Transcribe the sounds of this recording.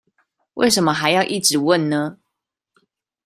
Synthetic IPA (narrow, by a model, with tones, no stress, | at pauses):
wʔe˥˩ɪʂə˨˦mə˦xa˧˦ɪjɑ˥˧ʊʔi˥˩ʈ͡ʂɻ̩˨˦wə˥˨nnə˦